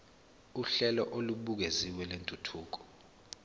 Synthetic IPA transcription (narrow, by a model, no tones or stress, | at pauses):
uɬɛlɔ̰ʔoluɓuk̬eziwɛlentʼutʰuːk̬ɔ̥